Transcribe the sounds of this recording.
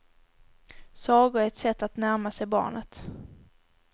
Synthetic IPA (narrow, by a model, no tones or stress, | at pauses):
sɑːɡʊæɛt̪sɛt̪ːat̪næɾmasɛjbɑ̰ːɳʔət̪